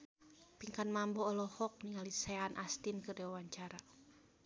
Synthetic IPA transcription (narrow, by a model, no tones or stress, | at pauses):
piŋkanmambɔːlɔhɔk̚niŋalisɛanʔast̪inkɨrdɛwawaɲt͡ʃaɾa